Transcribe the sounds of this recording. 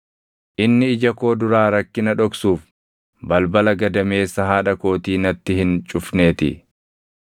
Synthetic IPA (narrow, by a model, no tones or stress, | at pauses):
ʔɪnːɪɪd͡ʒɐko̞ːd̪ʊɾaːɾɐkːɪnɐᶑɔksuːf | bɐlbɐlɐɡɐd̪ɐme̞ːsːɐɦaːᶑɐko̞ːt̪iːnɐt̪ːɪhɪnt͡ʃʼʊfneːt̪ɪ̰